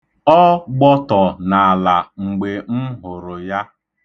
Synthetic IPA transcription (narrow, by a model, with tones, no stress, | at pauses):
ɔ˦ɡ͡bɔ˦tɔ˨na˨a˨la˨ŋ͡m̩˨ɡ͡be˨m̩˦ɦʊ˨ɾʊ˨ja˦